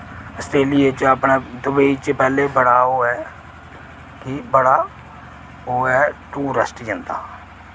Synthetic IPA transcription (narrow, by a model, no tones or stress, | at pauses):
əst̪eːlɪet͡ʃəpɳaːd̪ʊbeiːt͡ʃəpɛːleːbəɽaːɦoːɛː | kɪbəɽaː | oːɛːʈuːɾəsʈjənd̪a̰ː